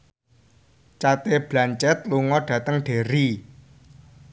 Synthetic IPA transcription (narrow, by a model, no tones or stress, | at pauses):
t͡ʃat̪eb̥lant͡ʃɛt̪̚luŋɔɖ̥ä̤t̪əŋɖ̥e̤ɾi